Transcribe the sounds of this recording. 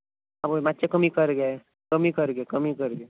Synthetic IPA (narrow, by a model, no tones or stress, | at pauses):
aboimatːt͡ʃekəmikəɾɡa | kəmikəɾɡekəmikəɾɡe